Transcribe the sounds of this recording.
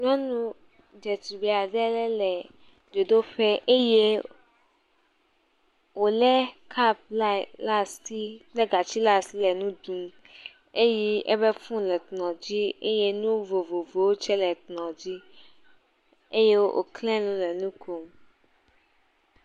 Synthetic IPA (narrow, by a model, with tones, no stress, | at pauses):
ɲɔ̃˦nũ˦ | d͡ʒɛ˨t̪i˨bi˨a˨ɖɛ˦lɛ˦lɛ˨ | do˨d̪o˦ɸɛ˦ʔe˦je˦ | wo˨lɛ˦kʰa˦p̚la˦˨la˦sti˦k͡plɛ˦ɡa˨t͡ɕi˦la˦sti˦lɛ˨nũ˦d̪ũ˦m | e˦ji˦ʔḛ˦bɛ˦fũ˦lɛ˨t̪nɔ̃˨d͡ʑi˦ḛ˦je˦nũ˦vo˨vo˨vo˨wo˦t͡ʃɛ˦lɛ˨t̪nɔ̃˨d͡ʑi˦ | e˦je˦wo˦ʔo̰˨klɛ̃˦lũ˦lɛ˨nũ˦ko˦m